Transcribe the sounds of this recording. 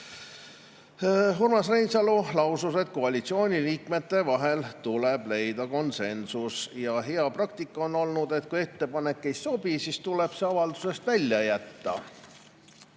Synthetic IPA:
ɦurmɑsrejnsɑlulɑwsuse̞t̪̚ko̞ɑlʲit̪sio̞ːnʲiliːkme̞t̪ːe̞vɑɦe̞lt̪ule̞b̥le̞jd̪ɑko̞nse̞nsusjɑɦeɑprɑk̚t̪ikːɑono̞lnud̪̥e̞t̪̚kuje̞t̪ːe̞pɑne̞kːe̞jso̞bisist̪ule̞b̥se̞ɑvɑld̪̥use̞st̪vælʲjɑjæt̪ːɑ̰

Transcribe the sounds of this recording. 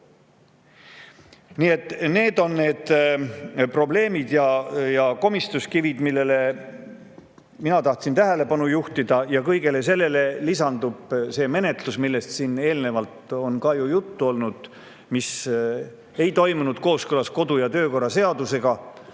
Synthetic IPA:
niːe̞t̪ːˑne̞ːd̪o̞nːe̞ːd̪ | pro̞ble̞ːmid̪̥jɑjɑko̞mist̪uskivid̪milːe̞le̞ | minɑt̪ɑht̪sint̪æɦele̞pɑnujuht̪id̪ɑjɑkɤjɡe̞le̞se̞lːe̞le̞lisɑnd̪ub̥se̞ːme̞ne̞t̪lusmilːe̞st̪siːne̞ːlne̞vɑlt̪o̞nkɑjujut̪ːuo̞lnud̪̥ | mis | e̞jt̪o̞jmunud̪̥ko̞ːskølɑsko̞d̪ujɑt̪ø̞ːko̞rːɑse̞ɑd̪use̞ɡ̥ɑ

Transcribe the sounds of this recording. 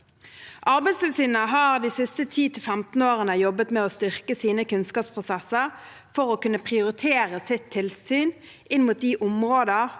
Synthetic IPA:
ʔɑʁbæɪsʋɛlsyːnnəɦɑːʁd̪iːsɪst̪ət̪ʰiːt̪ʰɪlfɛmt̪n̩oːʁənəjɔbət̪mɛoːst̪ʏʁkəsiːnəkʉnskɑːpspʰʁʊsɛsəʁ | fɔʁoːkʉnːəpʰʁɪʊʁɪt̪ʰeːʁəsɪt̪ʰːɪlsyːn | ʔɪnmuːt̪̚d̪iːʔʊmʁoːd̪ə

